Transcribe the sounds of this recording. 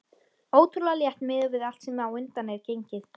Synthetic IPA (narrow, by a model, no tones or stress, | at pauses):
oːwt̪ʰɾulaljɛht̪mɪːðʏvɪðal̥t̪sɛmawʏnt̪anɛɾcejɲcɪθ